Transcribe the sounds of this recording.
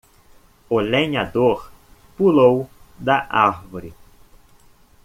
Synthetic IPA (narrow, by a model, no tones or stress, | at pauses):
ʊlẽɲad̪oɾ | pulowd̪ɐʔaɾvoɾɪ